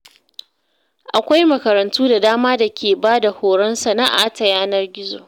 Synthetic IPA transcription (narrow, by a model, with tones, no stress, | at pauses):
ʔa˨kʷa˦jmɐ˨kɐ˨ɾɐ˨ntuː˦da˨daː˦maː˦da˨kʲeː˨baː˦da˨hoː˨ɽɐ˦nsɐ˨na˦ʔa̰˨ʔtɐ˨jaː˦nɐ˦rɡʲɪ˦zo̰ː˨